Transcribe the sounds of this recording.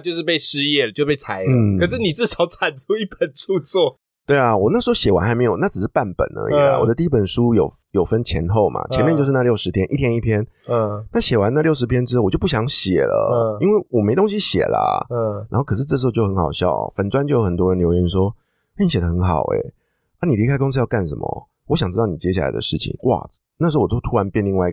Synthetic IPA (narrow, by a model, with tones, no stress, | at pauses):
t͡ɕjo˥˧ʂɻ̩˥˧pe˥˩ɪʂɻ̩˥jɛ˥˩lə˨jo˥˧˥pe˥˩ɪt͡sʰa˧˥ɪn̩˥kə˨˩ʂ̬ɻ̩˥˩ni˨˩t͡sɹ̩˥˩ʂɑ˨˥˦ʊt͡sʰa˨˩nt͡sʰu˥i˥˩pə˨˩nt͡sʰu˥˧t͡swɔ˥˩ | t̪we˥˩ɪa˨wɔ˨na˥˩ʂɻ̩˧˥xo˥ɕjɛ˨˩wa̰˧˦nxa˧ɪme˧˥ɪjo˨˩˦na˥˩ʈ͡ʂɻ̩˨˩ʂɻ̩˥˩pa˥˩npə̰˨˩nə̰˧˦ḭ˨˩la̰˨˦wɔ̰˨˩d̪ə˦t̪i˥i˥pə˨˩nʂu˦jo˨˩ʊ | jo˨˩ʊfə˦nt͡ɕʰjɛ̰˧˥nxo˥˨˩ʊmʔa̰˨˩t͡ɕʰjɛ˧˦nmɛ˥˧t͡ɕjo˥˧ʂ̬̩˥˧na˧jo˥˩ʊʂɻ̩˧˥t̪ʰjɛ˥nʔi˥˩t̪ʰjɛ˥ni˥˩pʰjɛ˥n˧na˥˩ɕjɛ˨˩wa˧˦na˥˧ljo˥˩ʊʂɻ̩˧˥pʰjɛ˥nʈ͡ʂɻ̩˥o˥˩˨wɔ˨˩jo˥˧ʊp̬u˥˩ɕjɑ˧˦ŋɕjɛ̰˨˩lə̰˦i˥nwe˥˩ɪwɔ˨˩me˧˥ɪt̪o˥ŋɕi˦ɕjɛ̰˨˩la̰˨na˧˥xo˥˩ʊkʰɤ˨˩ʂ̬ɻ̩˥˧ʈ͡ʂɤ˥˩ʂ̬ɻ̩˧o˥˧ʊt͡ɕo˥˩ʊxə˧˦nxɑ˨˩ʊɕjɑ̰˥˨ʊ̰˨˩fə˨˩nt͡swa˥nt͡ɕjjo˦ʊxə˨˩nt̪wɔ˥ɻə˧˦nljo˧˥ʊɥɛ˧˥nʂwɔ˥ | na˥˩ni˦ɕjɛ˨d̪ə˦xə˧˦nxɑ̰˨˩ʊḛ˦ | a˥ni˨˩li˧kʰa˥ɪko˥ŋs̩ʰ˥jɑ˥˧ʊka˥˩nʂə̰˨˦mə̰˧ | wɔ˧˦ɕjɑ˨ŋʈ͡ʂɻ̩˥t̪ɑ˥˩ni˨t͡ɕjɛ˥˦ɕja˥˩la̰˧ɪd̪ə̰˧ʂɻ̩˥˩t͡ɕʰḭ˨˩ŋwʔa̰˨ | na˥˩ʂ̩˧˥˩o˥˧t̪ʰu˥a˧˦npjɛ˥˧nli˥˧ŋwa˥˧i˧